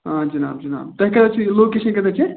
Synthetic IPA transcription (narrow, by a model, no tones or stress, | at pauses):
ɦãd͡ʒɐna̰ːbd͡ʒɐna̰ːbt̪ɛɦkɐɾd̪ɛt͡ʃʰilokesənkɐɾd̪ɛt͡ʃʰi